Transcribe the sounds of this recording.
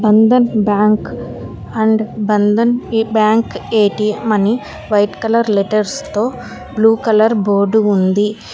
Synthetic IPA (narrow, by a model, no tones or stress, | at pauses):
bɐnd̪ɐnbaːŋk | ɐɳɖbɐnd̪ɐnbjaːŋkeːʈimɐni | ʋɐjʈkɐlɐɾleʈɐɾst̪oː | bluːkɐlɐɾboːɾɖuund̪i